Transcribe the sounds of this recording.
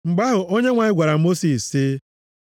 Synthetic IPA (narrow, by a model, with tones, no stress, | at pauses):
ŋ͡m̩˨ɡ͡ba˦ɦʊ˨ʔo˦ɲe˦ŋʷa˨ɲɪ˦ɡʷa˨ɾa˨˦mo˦si˨si˦